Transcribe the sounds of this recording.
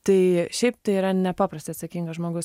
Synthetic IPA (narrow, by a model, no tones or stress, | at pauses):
t̪ɐɪʃʲɛɪp̚t̪ɐɪiɾɐnʲɛpɑːpɾɐsʲt̪ʲɪɐt̪sɐkʲiŋɡɐʒmoːɡʊs